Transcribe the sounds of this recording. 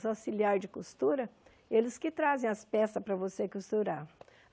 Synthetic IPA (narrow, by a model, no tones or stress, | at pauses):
zawsiliaɾd͡ʒɪkust̪uɾɐ | elɪskɪt̪ɾazẽj̃ɐspɛsɐspɾɐvosekust̪uɾaɾ